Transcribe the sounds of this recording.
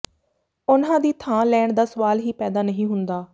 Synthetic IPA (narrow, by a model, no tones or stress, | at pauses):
ʊnãːd̪iːt̪ʰãːlɛːɳd̪aːsəʋaːlɦiːpɛːd̪aːnəɦĩːɦʊnd̪aː